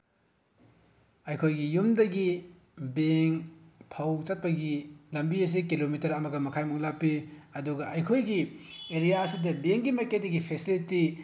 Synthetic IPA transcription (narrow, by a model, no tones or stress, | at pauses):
ɐjkʰojɡijumdɐɡi | beŋpʰɐwt͡ʃɐt̚pɐɡilɐmbiɐs̬ikilomitɐɾɐmɐɡɐmɐkʰajmuŋlapːiɐduɡɐɐjkʰojɡieɾijaɐsidɐbeŋɡimɐjkedɐɡipʰesiliti